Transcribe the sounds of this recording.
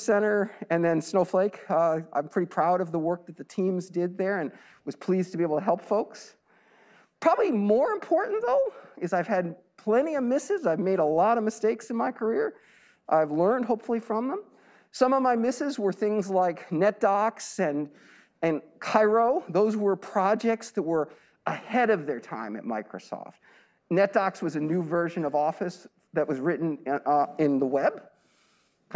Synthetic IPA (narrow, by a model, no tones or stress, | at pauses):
sɛ̃ɾ̃ə˞ɨ̃nðɨ̃nsnoʊfleɪkʌã̰ɪ̃mpʰɹ̥ɪɾipʰɹ̥aʊɾʌvðəwɜ˞k̚ðɨt̪̚ðɨtʰĩmzdɪd̪̚ðə˞ɨ̃n | wʌz̥pʰl̥iztʰəbieɪbl̩ˠtʰɨɦɛlˠpfoʊks | pʰɹ̥ɑbəblimɔɹɨ̃mpʰɔɹʔn̩ðoʊɨzaɪv̥ɨd̚ | pʰl̥ɛ̃ɾ̃iʌvmɪsɨzaɪvmeɪɾəlɔɾʌvmɨsteɪksɨ̃n̩maɪkʰə˞ɪɹ | ʔa̰ɪvlɜ̃˞nd̚ɦoʊpfl̩ˠifɹʌ̃mðə̃m | sʌ̃mʌvmaɪmɪsɨzwə˞θɪ̃ŋzlaɪknɛt̚d̥ɑksɨ̃n | ɨ̃nkʰaɪɹoʊðoʊzwə˞pʰɹ̥ɑd͡ʒɛk̚tsðɨt̚wə˞ | əhɛɾʌvðə˞tʰã̰ɪ̃mɨ̰t̚ma̰ɪkɹoʊsɔ̰ft̚ | nɛt̚d̥ɑkswʌzɨnʉvɜ˞ʒɨ̃nʌvɔfɨs | ðɨʔ̚wʌzɹɪʔn̩ɪ̃nðəwɛb̥